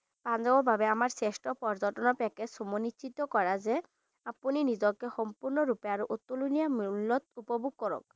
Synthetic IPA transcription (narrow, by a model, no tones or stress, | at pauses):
pand͡ʑɔbɔɾbʱabeamaɾsesʈɔpɔɾd͡ʑɔʈɔnɔpɛkesumonit͡ɕit̪okɔɾaze | apuninid͡ʑɔkːexɔmpuɾnɔɾupeaɾoʔot̪ːulunijamilːɔt̪̚upɔbʱuɡ̚kɔɾɔ̰k̚